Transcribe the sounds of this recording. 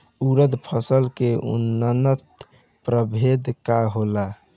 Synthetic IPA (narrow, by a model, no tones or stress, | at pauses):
uɾəd̪pʰəsəlkeṵnːənət̪ | pɾəbʱed̪kaɦola